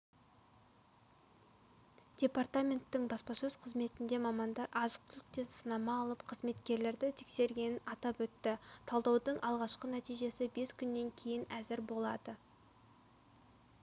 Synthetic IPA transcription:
d̥ʲe̞part̪amʲe̞nt̪ːɪɴbɑspɑsɵz̥qʰəzme̞t̪ɪnd̪e̞mɑmɑnd̪ɑɾʔɑzəq̚t̪ɪlˠɪk̚t̪e̞nsənɑmɑːlˠəpqʰəzme̞t̪kʲe̞ɾle̞ɾd̪ɪt̪ʰekse̞ɾɡʲe̞nɪnɑt̪ɑpwɵt̪ːɪt̪ʰɑlˠd̪ɑwd̪əɴʔɑlˠʁɑʃqənæt̪ijʒe̞sɪbe̞skʲʰʏnːe̞ŋkʲʰe̞jɪnæzɪɾbo̞lˠɑd̪ə

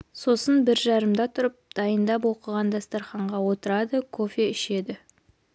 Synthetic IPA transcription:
so̞sənbɪɾʒɑɾəmd̪ɑt̪ʰʊɾəp̚d̪̥ɑjənd̪ɑp̬wo̞qəʁɑnd̪ɑst̪ɑɾχɑɴʁɑwo̞t̪əɾɑd̪əkʰofeʏʃe̞d̪ɪ

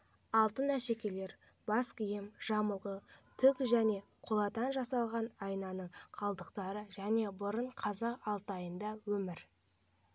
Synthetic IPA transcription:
ɑlˠt̪ənæʃe̞kʲe̞le̞ɾ | bɑskʲijɪmʒ̥ɑməlˠʁət̪ʰʏkʒæne̞qʰolˠɑt̪ɑnʒɑsɑlˠʁɑnɑjnɑnəɴqʰɑlˠd̪əqt̪ɑɾəʒæne̞bʊɾəɴqʰɑzɑɑlˠt̪ɑjənd̪ɑwɵmɪɾ

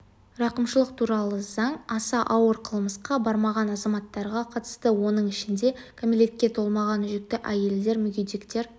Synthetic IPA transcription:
ɾɑqəmʃəlˠəq̚t̪ʰuɾɑlˠəzɑɴɑsɑʔɑwəɾqʰəlˠməsqɑbɑɾmɑʁɑnɑzɑmɑt̪ːɑɾʁɑqʰɑt̪ə̥st̪əwo̞nəɴɪʃɪnd̪e̞kʰomilʲe̞t̪̚kʲe̞t̪ʰo̞lˠmɑʁɑnʏʒek̚t̪ɪʔæje̞ld̪e̞ɾmʏɡʲejd̪ekt̪e̞ɾ

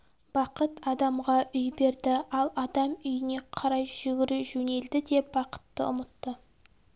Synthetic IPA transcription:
b̥ɑqət̪ɑd̪ɑmʁɑʔʏjbe̞ɾd̪ɪɑlˠɑd̪ɑmʏjɪne̞qʰɑɾɑjʒʏɡʲɪɾuʒɵne̞ld̪ɪd̪e̞p̚bɑqə̥t̪ːə̰ʊ̰mət̪ːə

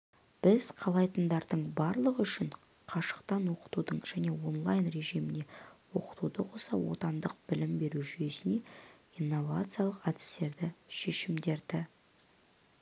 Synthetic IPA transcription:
b̥ɪzqʰɑlˠɑjt̪ənd̪ɑɾd̪əɴbɑɾlˠəʁəʏʃɪɴ | qʰɑʃə̥qt̪ɑnwo̞qə̥t̪ud̪əɴʒ̥æne̞wo̞nlˠajnre̞ʒimɪne̞wo̞̰qə̥t̪ud̪əqʰo̞sɑwo̞̰t̪ɑnd̪əq̚bɪlɪmbe̞ɾuʒyje̞sɪne̞inːo̞vat̪sɨjalˠəqad̪ɪ̥st̪e̞ɾd̪ɪʃe̞ʃɪmd̪e̞ɾd̪ɪ

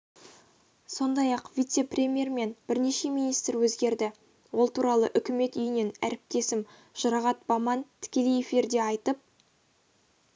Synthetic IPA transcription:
so̞nd̪ɑjɑqvʲijt̪se̞prʲe̞mʲje̞ɾme̞nbɪɾne̞ʃe̞minijst̪ɾwɵzɡʲe̞ɾd̪ɪ | wo̞lˠt̪ʰuɾɑlˠə̰ʔʏkʲɪme̞t̪ʏjɪne̞næɾɪp̚t̪e̞sɪm | ʒ̥ɑɾɑʁɑt̪̚bɑmɑnt̪ʰɪ̥kʲe̞le̞je̞fiɾd̪e̞ɑjt̪əp̚

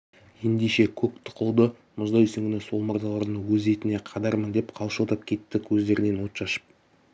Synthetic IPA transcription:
je̞nd̪eʃe̞kʲʰɵkt̪ʰɪ̥qʰəlˠd̪ə | mʊzd̪ɑjsʏŋɡʲɪnɪso̞lˠmɑɾd̪ɑlˠɑɾd̪əɴwɵze̞t̪ɪne̞qʰɑd̪ɑɾmənd̪e̞pqʰɑlˠʃəlˠt̪ɑp̚kʲʰe̞t̪ːɪkʲʰɵzd̪e̞ɾɪne̞nwo̞t̪ʃɑʃə̥p̚

